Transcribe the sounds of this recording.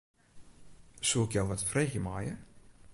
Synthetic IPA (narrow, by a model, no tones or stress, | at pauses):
suɪkjɔwʋɔtfreːxjəmajə